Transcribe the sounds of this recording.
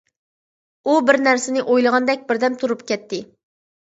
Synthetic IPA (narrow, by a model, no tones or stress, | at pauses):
ubɪɾnæɾsɪnɪʔojlˠɨʁɑnd̪ɛk̚ʲbɪɾd̪ɛmt̪ʰuɾupkʲɛt̪ʰːɪ